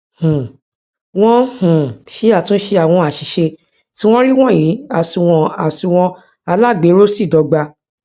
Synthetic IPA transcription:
hũ˨ | w̃ɔ̃˦hũ˨ʃi˨˦a˦˨tũ˦ʃe˧a˨w̃ɔ̃˧a˨ʃi˨ʃe˧ | ti˦w̃ɔ̃˦ɾi˦w̃ɔ̃˦˨jĩ˨˦a˦˨sũ˧w̃ɔ̃˧a˨sũ˧w̃ɔ̃˧ | a˧la˦˨ɡ͡be˨˦ɾo˦si˦˨dɔ˧ɡ͡ba˧

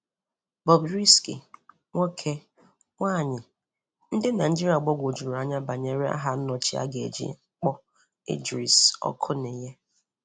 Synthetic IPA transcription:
bɔ˨bɾi˦skḭ˨ | ŋʷo˦kʰe˦ | ŋʷaː˦˨ɲɪ˨ | n̩˦dɪ˦na˨d͡ʒi˦ɾi˨a˨ɡ͡bɔ˦ɡʷo˨d͡ʒu˨ɾu˨a˦ɲa˦ba˨ɲe˦ɾe˦a̰˦ɦa˦n̩˦nɔ˨t͡ʃi˦a̰˦ɡḛ˨d͡ʒḭ˦k͡pɔ˦ | ḛ˦d͡ʒɾi˨sɔ̰˦kʰʊ˦ne˨je˦

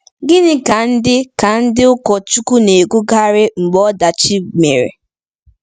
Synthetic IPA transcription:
ɡɪ˦nɪ˦ka˨n̩˦dɪ˦ka˨n̩˦dɪ˦ʊ˦kɔ˨t͡ʃu˦ku˦ne˨ɡu˦ɡa˦ɾɪ˦ŋ͡m̩˨ɡ͡bɔ˦da˨t͡ʃi˦ɡ͡bme˨ɾḛ˨

